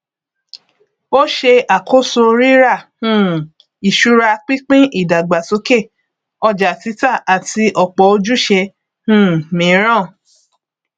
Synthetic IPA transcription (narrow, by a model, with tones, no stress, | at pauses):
o˦ʃe˧a˨ko˦so˧ɾi˦ɾa˦˨hũ˦˨ | i˨ʃu˨˦ɾa˧k͡pi˦k͡pĩ˦ʔi˦˨da˨ɡ͡ba˨so˧˦ke˦˨ | ɔ˧d͡ʒa˨ti˨˧˦ta˦˨ʔa˨ti˧ʔɔ˨k͡pɔ˨˦o˧d͡ʒu˦ʃe˧ | hũ˦˨mĩ˨˦ɾ̃ã˦˨